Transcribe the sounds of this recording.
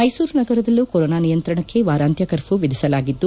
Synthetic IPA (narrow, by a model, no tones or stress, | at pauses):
mɐjsuːɾnɐɡɐɾɐd̪ɐlːukoɾoːnaːnijɐnt̪ɾɐɳɐkːe̞ʋaːɾaːnt̪jɐkɐɾpuʋid̪ʱisɐlaːɡid̪ːu